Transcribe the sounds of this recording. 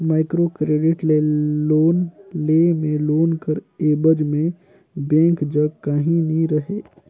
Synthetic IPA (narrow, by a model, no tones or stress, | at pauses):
maːɪkɾokɾeːɖɪʈleloːnlemẽloːnkəɾeːbəd͡ʒmẽ | bẽːŋkd͡ʒəɡkaɦĩniɾəɦeː